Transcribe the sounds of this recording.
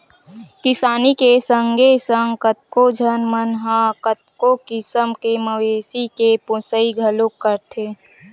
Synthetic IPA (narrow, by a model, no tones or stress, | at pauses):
kɪsaːnikesəŋɡʱesə̃ŋɡkət̪̚kod͡ʒʱənmənɦãkət̪̚kokɪsəmkeməʋeːsikeposəiɡʱəlokːəɾt̪ʰeː